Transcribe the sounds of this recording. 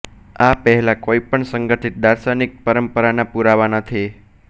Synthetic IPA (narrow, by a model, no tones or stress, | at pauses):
apəɦɛlakoipəɳsəŋɡəʈʰit̪̚d̪aɾsanik̚pəɾəmpəɾanapuɾaʋanət̪ʰi